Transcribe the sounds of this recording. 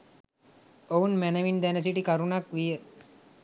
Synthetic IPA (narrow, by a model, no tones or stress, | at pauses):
ounmænəʋind̪ænəs̬iʈikɐɾunakʋijə